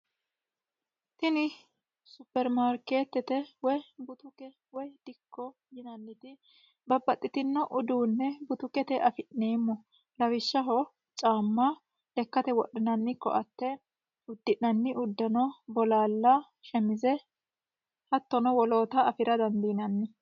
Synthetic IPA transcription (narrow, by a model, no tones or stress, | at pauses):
t̪ɪnɪ | sʊpːɛɾmaːɾke̞ːt̪ːɛt̪ɛwɔjbʊt̪ʊkɛ | wɔjd̪̥ɪkʰːɔ | jɪnɐnːɪt̪ɪ | bɐbːɐt̪ʼːɪt̪ɪnːɔʔʊd̪uːnːɛbʊt̪ʊkɛt̪ɛʔɐfɪʔneːmːɔ | lɐwɪʃːɐɦɔ | t͡ʃʼaːmːɐ | lɛkːɐt̪ɛwɔɗːɪnɐnːɪkːɔ̰ʔɐt̪ːɛ | ʊd̪ːɪʔnɐnːɪʊd̪ːɐnɔbɔlaːlːɐ | ʃɛmɪzɛ | hɐt̪ːɔnɔwɔlo̞ːt̪ɐːfɪɾɐd̪ɐnd̪iːnɐnːɪ